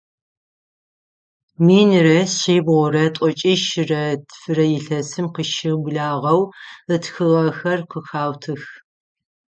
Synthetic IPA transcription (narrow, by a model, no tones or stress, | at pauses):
miːnrɐseːbʁʷɔɾɐtʼɔt͡ʃʼiʃɪrɐdʰfɨɾɐjɪɬɐsɨmqəʃɪbɮaːʁɐwɨtxɨʁɐxɐrqəxaːwtʰɨx